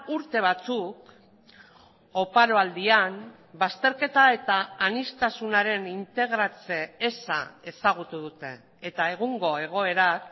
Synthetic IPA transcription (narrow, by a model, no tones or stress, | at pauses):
uɾt̪e̞β̞at͡suk | o̞paɾo̞ald̪ian | bast̪e̞ɾke̞t̪ae̞t̪aːnist̪asunaɾe̞nint̪e̞ɣ̞ɾat͡se̞esa̰e̞saɣ̞ut̪uð̞ut̪e̞ː | t̪ae̞ɣ̞uŋɡo̞e̞ɣ̞o̞e̞ɾak